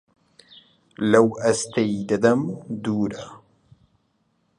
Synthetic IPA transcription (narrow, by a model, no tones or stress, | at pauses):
lawʔast̪ajd̪ad̪amd̪uːɾa